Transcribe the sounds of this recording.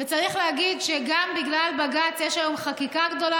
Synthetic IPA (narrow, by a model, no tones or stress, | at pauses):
vet͡saʁiχleaɡid̪ʃeɡambiɡlalbaɡat͡sjeʃajomχakikaɡd̪o̞la